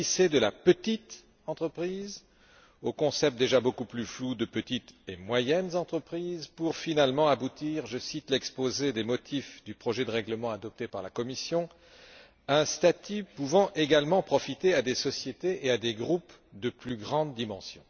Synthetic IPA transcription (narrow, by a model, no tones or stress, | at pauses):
ised̪əlapət̪it̪ | ɑ̃t̪χəpχiz | okɔ̃sɛpt̪̚d̪eʒabokuplyflud̪əpət̪it̪emwajɛnzɑ̃t̪χəpχizpuʁfinalmɑ̃abut̪iʁʒəsit̪lɛkspozed̪emɔt̪ʰifd̪ypχɔʒɛd̪əʁɛɡləmɑ̃ad̪ɔp̚t̪epaʁlakɔmisjɔ̃ | ɛ̃st̪at̪ypuvɑ̃ʔeɡalmɑ̃pχɔfit̪ead̪esɔsjet̪eʔead̪eɡʁup | d̪əplyɡʁɑ̃d̪ːimɑ̃sjɔ̰̃